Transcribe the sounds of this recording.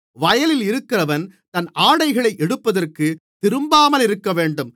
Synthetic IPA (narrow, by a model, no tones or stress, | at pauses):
ʋɐjɐlɪlɪɾɯkːɪrɐʋɐnt̪ɐnaːɽɐɪɣɐɭɐɪʔɛɽɯpːɐðɐrkɯt̪ɪɾɯmbaːmɐlɪɾɯkːɐʋeːɳɖɯm